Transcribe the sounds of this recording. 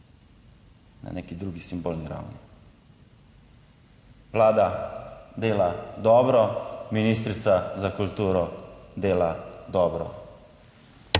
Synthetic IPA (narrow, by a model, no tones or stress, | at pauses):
na̰neːkid̪ɾuːɡisimboːlniɾa̰wnḭ | ʋlaːd̪ad̪eːlad̪ɔːbɾɔminiːst̪ɾit̪sazakult̪uːɾɔd̪eːlad̪ɔːbɾɔ̰